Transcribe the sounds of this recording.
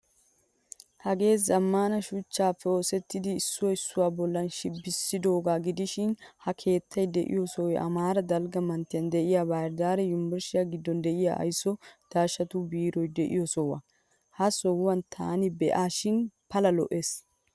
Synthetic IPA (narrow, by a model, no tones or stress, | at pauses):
hɐɡe̞ːsɐmːaːnɐʃʊt͡ʃːaːfːɛoːsɛt̪ːɪd̪ɪːsːʊwɔɪsːʊwaːbɔlːɐnʃɪbːɪsːɪd̪oːɡaːɡɪd̪ɪʃɪnhɐkʰe̞ːt̪ʰːɐjd̪ɛʔɪ̰jɔsɔwjʔɐ̰maːɾɐd̪ɐlɡɐmɐnt̪ːɪjɐnd̪ɛʔɪjaːbaːɾd̪aːɾɛjʊmbɛɾʃɪjaɡɪd̪ːɔnd̪ɛʔɪja̰ːʔɐ̰jsːɔd̪̥aːʃɐt̪ʊbiːɾɔjd̪ɛʔɪ̰jɔsɔwɐ̰ | hɐsɔwwɐnt̪ʰaːnɪbɛʔaːʃɪnpɐlɐlɔ̰ʔeːs